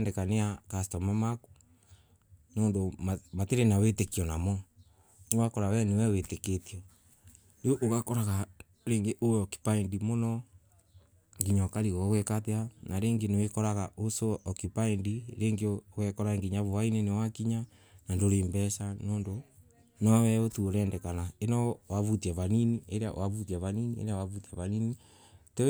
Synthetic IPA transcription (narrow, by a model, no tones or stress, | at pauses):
ndekaneakastɔmamaku̥ | noːndomamateɾenawetekiɔnamɔ | newakɔɾawɛnewɛweteketiɔ | neoʔoɣakɔɾaɣa | ɾeːŋɡeʔowɔki̥paindimonɔ | ŋɡiɲɔkaɾiɣɔɣwɛkateanaɾeːŋɡenewekɔɾaɣaosoʔɔkipaindiɾeːŋɡeɣwɛkɔɾaŋɡiɲaβowainɛnewakiɲa | nandoɾeːmbɛsanoːndo | nɔwɛotuoɾɛːndɛkanaenɔwaβutiaβaninieɾea̰waβutiaβaniniḛɾeawaβutiaβanini | te